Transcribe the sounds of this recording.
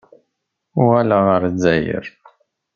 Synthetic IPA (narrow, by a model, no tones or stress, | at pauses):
ʊʁælaʁəɾzːæjə̰ɾ